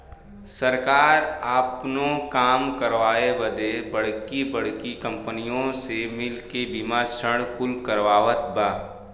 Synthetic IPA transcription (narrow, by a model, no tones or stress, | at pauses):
səɾkaːɾaːpnõkaːmkəɾʋaːebəd̪ebəɽ̤kibəɽ̤kikə̃mpənijõsemɪlkebimaːt͡ʃʰəɽ̃kʊlkəɾʋaːʋət̪̚baː